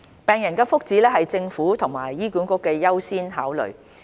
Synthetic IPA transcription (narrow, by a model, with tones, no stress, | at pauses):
pɛː˨ŋjɐ˨˩nkɛː˧fʊ˥k̚t͡siː˨˥lɛː˥hɐ˨jt͡sɪ˧ŋfuː˨˥t̪ʰʊ˨˩ŋma̰ː˨˩jːiː˥kuː˨˥nkʊ˥kːɛː˧jɐ˥wsiː˥nɦaː˨˥wlɵ̰˨˩ɥ